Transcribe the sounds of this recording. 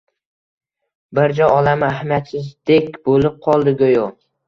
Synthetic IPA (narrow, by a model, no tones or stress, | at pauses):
bɪɾd͡ʒɒjɒlamɪahmijat̪sɪzd̪ekʲbolɪp̚qʰɒlˠd̪ɪɡojo